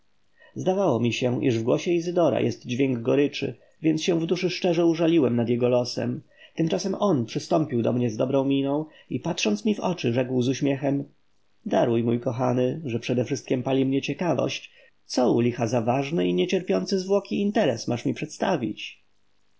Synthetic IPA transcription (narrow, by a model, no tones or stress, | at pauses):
zd̪avawɔmʲiɕɛʔḭʐvɡwɔɕɛizɘd̪ɔɾa̰jɛst̪d͡ʑvʲjɛŋɡɡɔɾɘt͡ʂɘ̰ | vʲjɛnt̪ɕɛ̃vd̪uʂɘʂt͡ʂɛʐɛuʐalʲiwɛmnad̪jɛɡɔlɔsɛ̰m | t̪ɘmt͡ʂasɛmɔnpʂɘst̪ɔmpʲiwd̪ɔ̰mɲɛzd̪ɔbɾɔ̃w̃mʲinɔ̃w̃ | ipatʂɔnt̪smʲivɔ̰t͡ʂɘʐɛkwzuɕmʲjɛxɛm | d̪aɾujmujkɔxanɘʐɛpʂɛd̪ɛfʂɘst̪kʲɛmpalʲimɲɛt͡ɕɛkavɔ̰ɕt͡ɕ | t̪sɔulʲixazavaʐnɛiɲɛt͡ɕɛɾpʲjɔnt̪sɘzvwɔkʲiːnt̪ɛɾɛsmaʂmʲipʂɛt̪st̪a̰vʲḭt͡ɕ